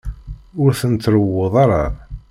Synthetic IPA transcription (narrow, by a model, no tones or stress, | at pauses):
ʊɾθənt̪ːɾəwːoðˤaɾɑ